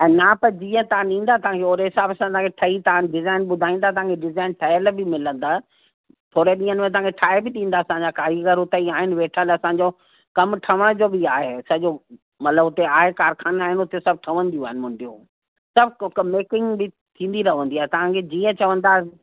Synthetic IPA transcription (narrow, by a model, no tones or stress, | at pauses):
ɛ̃ːnapɐd͡ʑiːə̃t̪ɐʋãɗĩːn̆d̪at̪ɐʋ̤ãkeoːɾeɦɪsaːbɐsãt̪ɐãkʰeʈʰɐit̪ɐ̃ɖɪzaːɪnɓʊd̪ʱaːĩːn̆d̪at̪ɐʋɦãːŋkʰeɖɪzaːɪnʈʰaəlbɪmɪlə̃nd̪aː | t̪ʰoːɾeɗĩːənɪmẽt̪ɐʋãŋkʰeʈʰaːɪbɪɗĩːn̆d̪aɐsãːɲd͡ʑakaːɾiɡəɾʊt̪əiaːɦɪnɪ̆ʋeːʈʰəlɐsãːɲd͡ʑoː | kɐmʈʰɐʋəɽ̃d͡ʑoːbɪaːɦesɐʄo | mɐt̪ləbɦʊt̪eaːɦekaːɾkʰaːnaːɦɪnʊt̪esɐb̚ʈʰɐʋə̃nd̪ijũaːɦɪnɪmʊ̃ɳɖijõː | sɐbʱkmeːkɪ̃ŋɡbɪ | t̪ʰĩːn̆d̪iɾɐɦʋə̃nd̪iaːɦet̪ɐʋ̤ãkʰed͡ʑiːə̃t͡ɕɐʋə̃nd̪aː